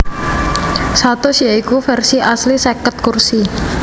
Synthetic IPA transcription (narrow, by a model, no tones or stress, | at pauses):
sat̪ɔsiaikufɛrsiʔaslisekət̪̚kursi